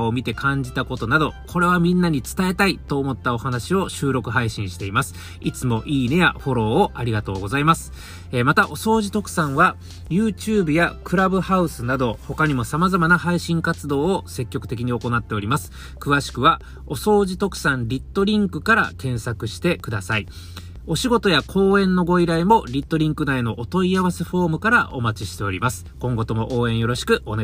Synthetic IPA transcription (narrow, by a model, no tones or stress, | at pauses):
omʲit̪e̞kʰãɲ̟d͡ʑit̪ako̞t̪o̞nad̪o̞kʰo̞ɾe̞β̞amʲĩnːaɲ̟it͡sɨ̥t̪ae̞t̪ait̪o̞ːmo̞t̪ːao̞hanaɕio̞ɕɨːɾo̞kɯ̟ɦaiɕĩɰ̃ɕi̥t̪e̞imasɨ̥ | it͡sɨmo̞ʔiːne̞ja̰ɸo̞ɾo̞ːʔaɾʲiɡat̪o̞ːɡo̞zaimasɨ̥ | emat̪aʔo̞so̞ːʑit̪o̞kɯ̟̥sãɰ̃βa | jɯ̟ːt͡ɕɨːbɯ̟jakɯ̟ɾabɯ̟haɯ̟sɨnad̪o̞ho̞kaɲ̟imo̞samazamanahaiɕĩŋkat͡sɨd̪o̞ːose̞kʲːo̞kɯ̟t̪e̞kʲiɲ̟io̞ko̞nat̪ːe̞o̞ɾʲimasɨ̥ | kɯ̟βaɕi̥kɯ̟βa | o̞so̞ːʑit̪o̞kɯ̟̥sãnɾʲit̪ːo̞ɾʲĩŋkɯ̟kaɾa̰kẽ̞ɰ̃sakɯ̟ɕi̥t̪e̞kɯ̟d̪asai | o̞ɕiɡo̞t̪o̞jakʰo̞ːẽ̞nːo̞ɡo̞iɾaemo̞ɾʲit̪ːo̞ɾʲĩŋkɯ̟nae̞no̞ʔot̪o̞iaβase̞ɸo̞ːmɯ̟kaɾaʔo̞̰mat͡ɕiɕi̥t̪e̞o̞ɾʲimasɨ̥kõ̞ŋɡo̞t̪o̞mo̞ʔo̞ːẽ̞ɰ̃jo̞ɾo̞ɕi̥kɯ̟one